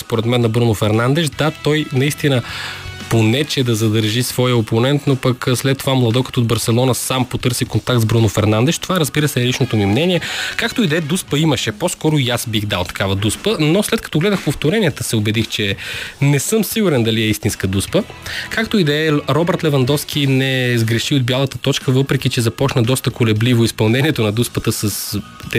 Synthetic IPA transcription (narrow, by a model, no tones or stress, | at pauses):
spoɾɛt̪mɛnːɐbɾunʊfɛɾnand̪ɛʃd̪at̪ɔjnɐist̪inəponɛt͡ʃɛd̪ɐzɐd̪əɾʒisvɔjəoponɛnt̪nopəkslɛt̪ːovamlˠɐd̪ɔkət̪od̪bɐɾsɛlˠɔnɐsampot̪ɤɾsikont̪ak̚t̪zbɾunʊfɛɾnand̪ɛʃt̪ovaɾɐzbiɾəsɛɛlit͡ʃnot̪ʊmimnɛniɛkakt̪oid̪ɐɛd̪uspəiməʃɛpɔskɔɾʊjasbixd̪alˠt̪ɐ̥kavəd̪uspənoslɛt̪̚kɐt̪ɔɡlɛd̪əxpoft̪oɾɛniɛt̪əsɛobɛd̪ixt͡ʃɛnɛsɤmsiɡuɾɛnd̪ɐliɛist̪inskəd̪uspəkakt̪oid̪ɐɛɾɔbɛɾt̪lɛvɐnd̪ɔfsk̟inɛzɡɾɛʃiod̪̚bʲjalˠət̪ət̪ɔt͡ʃkəvɤpɾɛkit͡ʃɛzɐpɔt͡ʃnəd̪ɔst̪əkolɛblivoispɐlˠnɛniɛt̪ʊnɐd̪uspət̪əsəs